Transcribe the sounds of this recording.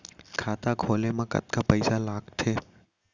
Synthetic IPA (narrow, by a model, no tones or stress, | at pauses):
kʰaːt̪aɡʱoːlemãkə̰t̪kapəɪsalaːɡʈ̪ʰeː